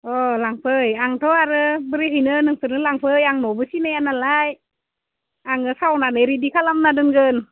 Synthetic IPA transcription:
ʔɔlaŋpʰəjaŋt̪ʰɔaɾɯbəɾiɦijnɯnɯŋpʰɯnɯlaŋpʰəjaŋnɔbɯsinajanalaj | ʔaŋɯsawnanajɾidikʰalamnadɯnɡən

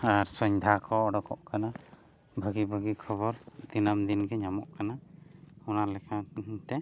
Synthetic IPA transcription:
aɾsɔɲd̪ʱakɔːɖɔkɔʔkana | bʱaɡibʱəɡikʰɔbɔɾd̪inamd̪inɡɛɲamɔʔkanaɔnalɛkʰat̪ɛ

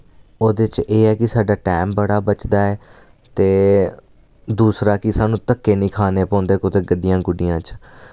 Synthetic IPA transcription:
oːd̪et͡ʃeːɛːkɪsaːɖaːʈɛːmbəɽaːbət͡ʃd̪aːɛː | t̪eː | d̪uːsɾaːkɪsaːnũːt̪əkːeːnĩːkʰaːneːpɔ̃ːnd̪eːkʊt̪eːɡəɖːɪjãːɡʊɖɪjãːt͡ʃ

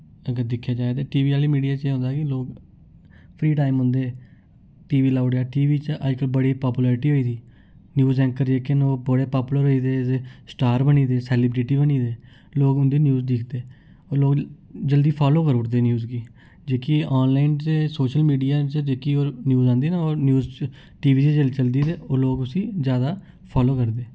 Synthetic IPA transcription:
əɡəɾd̪ɪkʰːjaːd͡ʒaːet̪eːʈiːʋiːaːliːmiːɖijaːt͡ʃeːɦõːnd̪aːkɪloːɡ | pʰɾiːʈaːɪmɦʊ̃ːnd̪eː | ʈiːʋiːlaːʊɖjaːʈiːʋiːt͡ʃʔəd͡ʒkəbəɽiːpaːpuːlɛːɾɪʈiːɦoːiːt̪iː | njuːzɛ̃ːŋkəɾd͡ʒeːkɪnoːboɽeːpaːpuːləɾɦoːiːd̪eːd̪eːsʈaːɾbəniːd̪eːsɛːlɪːbɾɪʈiːbəniːd̪eː | loːɡʊnd̪iːnjuːzd̪ɪkʰd̪eː | oːloːɡd͡ʒəld̪iːpʰaːloːkəɾʊʈd̪eːnjuːzɡiː | d͡ʒeːkiɔːnlaːɪnt͡ʃesoːʃəlmiːɖijaːt͡ʃd͡ʒeːkioːnjuːzãːnd̪iːnoːɾnjuːz | ʈiːʋiːt͡ʃəd͡ʒəlt͡ʃəld̪iːd̪eːoːloːɡʊsĩːzjaːd̪aː | pʰaːloːkəɾd̪eː

